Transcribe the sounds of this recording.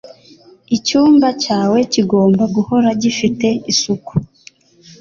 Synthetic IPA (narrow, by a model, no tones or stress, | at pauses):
icuːmbacaːwe̞ciɡo̞ːmbaɡuho̞ɾaɟifite̞isuku̥